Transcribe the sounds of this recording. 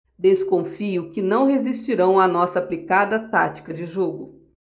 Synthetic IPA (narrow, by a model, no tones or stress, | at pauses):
d̪eskõfiʊkɪnɐ̃w̃ɦezist͡ʃiɾɐ̃w̃ɐnɔsɐːplikad̪ɐt̪at͡ʃi̥kɐd͡ʒɪʒoɡʊ